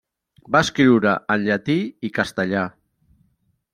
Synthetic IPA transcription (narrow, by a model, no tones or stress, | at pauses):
baəskɾiwɾəʔənʎət̪iikast̪əʎa